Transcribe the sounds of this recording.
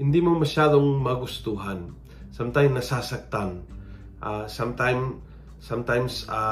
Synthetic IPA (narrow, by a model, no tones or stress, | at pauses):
ind̪imuməʃaðɔŋmaɡust̪uɦan | samt̪ajmnasasak̚t̪aŋ | ʔasamt̪ajm | samt̪ajmsa